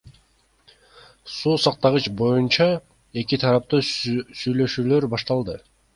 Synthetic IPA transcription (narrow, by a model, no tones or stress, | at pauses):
suːsɑq̚t̪ɑʁɯt͡ʃbo̞junt͡ʃɑ | e̞kit̪ʰɑɾɑp̚t̪usyjlø̞ʃyːlø̞ɾbɑʃt̪ɑlˠd̪ɯ